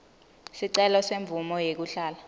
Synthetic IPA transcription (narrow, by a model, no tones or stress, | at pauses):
siǀɛlɔseɱb̪vumɔjek̬uɬaːla